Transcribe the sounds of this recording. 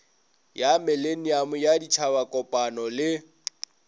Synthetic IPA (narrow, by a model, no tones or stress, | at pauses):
jamɛlen̩jamʊjadit͡ʃʰaβakʼɔpʼanɔlɪ